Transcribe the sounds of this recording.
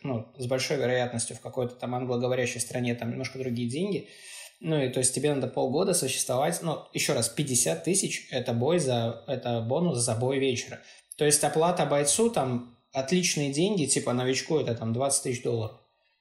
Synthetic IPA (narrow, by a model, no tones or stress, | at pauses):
nuzbɐlʲʂo̞jvʲɪɾɐjat̪nəsʲtʲjʊfkɐko̞jt̪ə̥t̪amɐnɡlˠəɡəvɐɾʲæɕːɪjst̪ɾɐnʲet̪amnʲɪmnoʂkəd̪ɾʊɡʲijədʲenʲɡʲɪ | nuɪt̪o̞jɪsʲtʲtʲɪbʲe̞nad̪əpo̞lˠɡo̞d̪əsʊɕːɪ̥st̪vɐvatʲnujɪɕːo̞ɾaspʲɪdʲɪsʲat̪ːɨsʲɪt͡ɕɛt̪əbo̞jzɐɛt̪əbo̞nʊszɐbo̞jvʲet͡ɕɪɾə̰ | t̪o̞ɪsʲtʲɐplˠat̪əbɐjt̪sut̪am | ɐt̪lʲit͡ɕnɨjədʲenʲɡʲɪtʲipənəvʲɪt͡ɕkujɛt̪ət̪amd̪vat̪sɨ̥tʲt̪ɨsɕd̪o̞lˠːəɾəf